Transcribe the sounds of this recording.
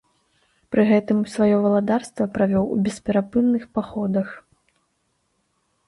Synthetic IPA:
pɾɨɣɛt̪ɨmsvajɔvɐlˠad̪arst̪vɐpɾavʲɔwṵbʲɛspʲɛɾapɨnnːɨxpaxɔd̪ɐx

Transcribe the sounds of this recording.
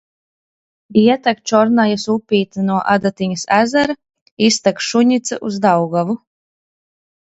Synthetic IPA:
iɛt̪akt͡ʃɔɾnajasupʲiːt̪anuɔʔad̪at̪iɲasæzaɾa | ist̪akʃuɲit̪saʔuzd̪awɡavu

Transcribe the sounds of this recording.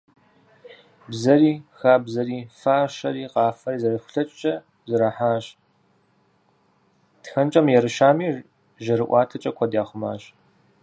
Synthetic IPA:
bzɐɾiːxaːbzɐriːfaːʃɐɾiːqɑːfɐriːzɐrɨxʷʊ̥ɬɐt͡ʃʼt͡ʃʼɐ | zɨɾɐħaːɕ | txɐnt͡ʃʼɐmjɛɾɨʃaːmiː | ʒɐɾɨʔʷɑːtʰɐt͡ʃʼɐkʷʰɐdaːχʷʊma̰ːɕ

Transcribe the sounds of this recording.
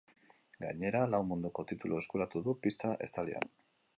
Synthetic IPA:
ɡa̰ɲe̞ɾalawmund̪uko̞t̪it̪ulʔue̞skuɾat̪uðupist̪aʔe̞̰st̪alia̰n

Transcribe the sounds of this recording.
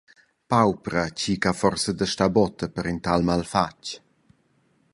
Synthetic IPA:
pawpɾət͡ɕikafɔrsəd̪əʃtabɔt̪əpəɾint̪almalfat͡ʃ

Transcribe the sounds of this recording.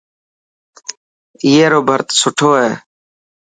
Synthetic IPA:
ɪːeːɾoːbʱəɾt̪sʊʈʰoːɦeː

